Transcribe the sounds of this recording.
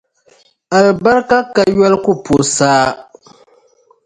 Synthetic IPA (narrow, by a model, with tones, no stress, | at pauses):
a˨lba˦ɾka˦ka˦jɔ˦lkʊ˦po˨saː˦